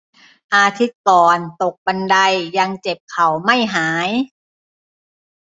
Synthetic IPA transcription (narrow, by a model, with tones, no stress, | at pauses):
ʔaː˧t̪ʰi˦˥t̪̚kɔː˨˩nt̪o˨˩k̚ba˧nda˧jːa˧ŋt͡ɕe˨˩p̚kʰa˨˩wma˥˩jɦaː˩˦j